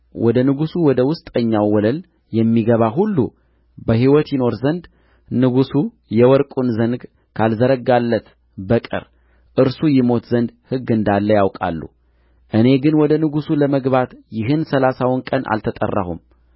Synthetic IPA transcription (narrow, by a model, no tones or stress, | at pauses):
wʔɔd̪ənɨɡusuwɔd̪əwʊst̪ʼəɲːawːɔləl | jɛmːiɡəβaɦulːṵ | bəhiwɔt̪jɪno̞ɾzənd̪ | nɨɡusu | jɛwɔɾkʼunzənɡ | kʰalzəɾəɡalːət̪ | bəkʼɨ̰ɾ | ʔɨɾsujɪmo̞t̪zənd̪hɨɡːɨnd̪alːəjawkʼa̰lːṵ | ʔɨne̞ɡɨnwɔd̪ənɨɡusuləməɡβat̪jɪɦɨnsəlasawʊnkʼənʔa̰lt̪ʰət̪ʼə̰rːa̰hṵm